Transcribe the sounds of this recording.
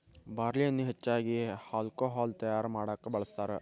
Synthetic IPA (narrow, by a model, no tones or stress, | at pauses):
baːɾlijɐnːuɦet͡ʃːaːɡihaːlkoːɦaːlt̪ɐjaːɾmaːɽaːkːɐbɐɭɐst̪aːɾe